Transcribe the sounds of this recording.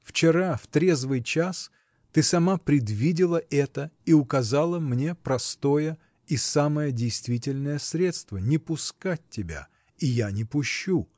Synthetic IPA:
ft͡ɕɪɾaft̪ɾʲe̞zvɨjt͡ɕas | t̪ɨsɐmapɾʲɪd̪vʲidʲɪlˠəʔɛt̪əiʊkɐzalˠəmnʲe̞pɾɐst̪ojə | isaməjədʲɪjst̪vʲitʲɪlʲnəjəsɾʲe̞t̪st̪vənʲɪpʊskat̚ʲtʲːɪbʲa̰ | ijanʲɪpʊɕːu

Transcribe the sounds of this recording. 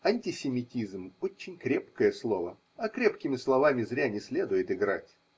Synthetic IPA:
ɐnʲtʲɪsʲɪmʲɪtʲizmot͡ɕːɪnʲkɾʲepkəjəslˠo̞və | ɐkɾʲepkʲɪmʲɪslˠɐvamʲɪzɾʲanʲɪsʲlʲe̞d̪ʊjɪt̪ɪɡɾa̰tʲ

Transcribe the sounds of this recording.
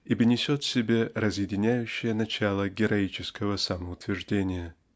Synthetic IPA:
ibɨnʲɪsʲot̪sʲɪbʲe̞rəzjɪdʲɪnʲæjʉɕːɪjənɐt͡ɕalˠəɡʲɪɾɐit͡ɕɪskəvəsaməʊt̪vʲɪrʐdʲenʲɪjə

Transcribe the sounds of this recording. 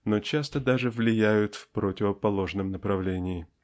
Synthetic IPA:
not͡ɕast̪əd̪aʐɨvlʲɪjæjʊt̪fpɾotʲɪvəpɐlˠo̞ʐnəmnəpɾɐvlʲenʲɪɪ

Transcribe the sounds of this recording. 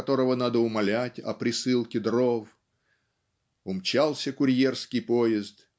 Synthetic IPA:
t̪o̞ɾəvənad̪əʊmɐlʲætʲɐ̰pɾʲɪsɨlˠkʲɪd̪ɾov | ʊmt͡ɕalˠsʲəkʊɾʲje̞rskʲɪjpojɪzt̪

